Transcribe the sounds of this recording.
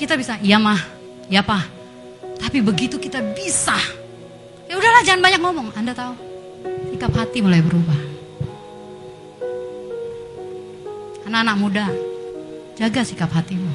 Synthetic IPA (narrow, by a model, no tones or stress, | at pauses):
kit̪abisaijamah | japah | t̪apibəɡit̪ukit̪abisa | audahlahd͡ʒaŋanbaɲak̚ŋɔmɔŋandat̪au | sikap̚hat̪imulajbəɾubah | anakanak̚muda | d͡ʒaɡasikap̚hat̪ima